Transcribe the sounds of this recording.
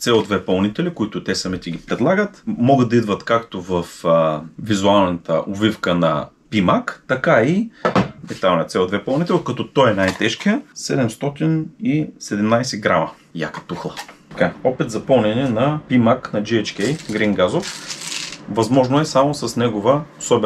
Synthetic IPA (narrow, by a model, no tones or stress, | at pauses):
t̪sɛod̪vɛpɐlˠnit̪ɛlikoit̪ʊt̪ɛsɐmit̪iɡ̟ipɾɛd̪lˠaɡət̪mɔɡəd̪̚ɐid̪vɐt̪kakt̪ovɐfvizualˠnɐt̪ə̰ʔovifkənɐ̰pimakt̪ɐkaimɛt̪alˠnjət̪sɛod̪vɛpɐlˠnit̪ɛlʲˠkɐt̪ɔt̪ɔɛnajt̪ɛʃkijəsɛd̪ɛmst̪ɔt̪inisɛd̪ɛmnajsɛɡɾamɐ | ja̰kə̥t̪uxlˠə | kaɔpit̪zɐpɐlˠnɛnɛnɐpimaknɐd͡ʒiɛt͡ʃkɛjɡɾiŋɡazof | vɐzmɔʒnoɛsamosɐsnɛɡovəosɔb